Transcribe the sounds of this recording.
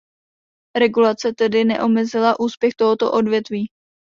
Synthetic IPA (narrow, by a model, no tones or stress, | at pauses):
ɾɛɡulat͡sɛt̪ɛdɪnɛ̰ʔo̞mɛzɪlaʔuːspjɛxt̪o̞ɦot̪o̞̰ʔo̞dvjɛt̪viː